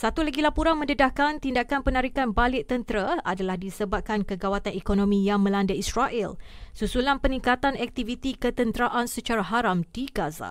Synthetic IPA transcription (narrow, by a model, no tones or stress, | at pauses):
sat̪ulaɡilapuɾanmə̃ndədahkant̪indakanpənaɾikanbalɪʔt̪ənt̪əɾaadalahdisəbap̚kankəɡawat̪anekonõmĩjaŋmə̃landaisɾaʔɛlsusulanpənĩŋkat̪anɛk̚t̪ivit̪ikət̪ənt̪ɾaʔansət͡ʃaɾaɦaɾamdiɡaza̰